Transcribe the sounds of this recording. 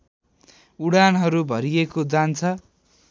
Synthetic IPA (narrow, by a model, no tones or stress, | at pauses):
uɽanɦʌɾubʱʌɾijekod͡zant͡sʰʌ